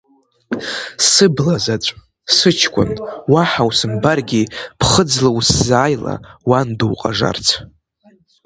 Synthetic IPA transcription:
sɨblazat͡ʃʷʼ | sɨt͡ʃʰkʷʰʼʊ̰nwaħawsɨmbarɡʲipʰχəd͡zlawszaːjla̰wanduwqʼa̰ʐa̰rt͡sʰ

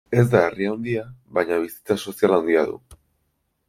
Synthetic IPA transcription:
e̞zd̪aeriawnd̪iaβajɲaβ̞isi̥t͡saso̞sialawnd̪iaðṵ

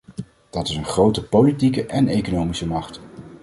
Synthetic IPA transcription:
d̥ɑtɪsənχrowtəpolitikəʔɛnejkonowmisəmɑχt

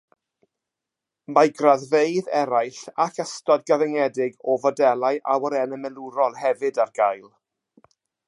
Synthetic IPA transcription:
majɡraðvejðɛɾajɬakʰəstɔdɡəvɛŋɛdɪɡɔvɔdɛlˠajʔawəɾɛnəmɛlˠʊɾɔlˠhɛvɨdarɡajlˠ

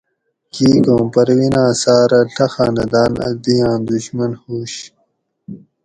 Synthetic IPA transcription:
kiːkõːmpɐɾwinãːsaːɾɐɬʰɐxaːnɐd̪aːnɐ̰d̪ijãːnd̪uɕmɐnhuːɕ

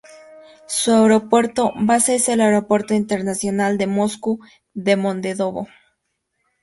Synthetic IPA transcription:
suaeɾo̞pwe̞ɾt̪o̞baseɾselaeɾo̞pwe̞ɾt̪oint̪eɾnasjo̞nald̪e̞mo̞sku | ðe̞mõ̞nd̪eðo̞βo̰

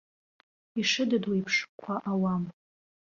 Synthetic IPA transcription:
iʂɨdɨdwiipʰʂkʷʰaʔawam

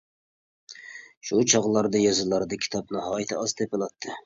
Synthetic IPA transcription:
ʃut͡ʃʰɑʁlˠɑɾd̪ɨjɑzɨlˠɑɾd̪ɨkʲʰi̥t̪ʰɑp̚nɑɦɑːjt̪ʰɪɑzt̪ʰepɨlˠɑt̪ʰːɨ

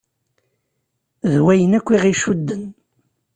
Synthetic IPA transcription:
ðwæjənækʷːiʁiʃud̪ːən

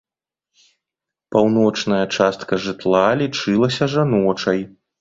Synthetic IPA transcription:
pawn̪ɔt͡ʂnɐjɐt͡ʂast̪kɐʐɨt̪lˠalʲit͡ʂɨlˠɐsʲɐʐanɔt͡ʂɐj

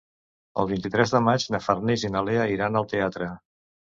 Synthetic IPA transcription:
ə̰lˠβint̪it̪ɾɛzðəmad͡ʒnəfərnizinəleəiɾanəlˠt̪eat̪ɾə

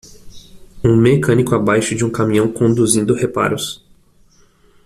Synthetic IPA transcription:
ũmekɐ̃nikʊabajʃʊd͡ʒɪũkamĩɲɐ̃w̃kõnd̪uzĩnd̪ʊhepa̰ɾʊs

